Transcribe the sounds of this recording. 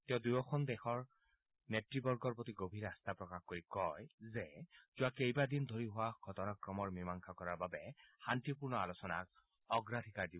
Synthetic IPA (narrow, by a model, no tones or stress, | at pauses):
tɛɔdujɔkʰɔndɛxɔɹ | netɹibɔɹɡɔɹpotiɡobʱiɹast̪apɹɔkaxkoɹikɔjzɛz̥ʊakejbadind̪ʱoɹiɦʊwaɡʱɔtɔnakɹɔmɔɹmimaŋkʰakɔɹaɹbabɛxantipuɹnɔalosɔna̰k̚ | ɔɡɹatʰikaɹdib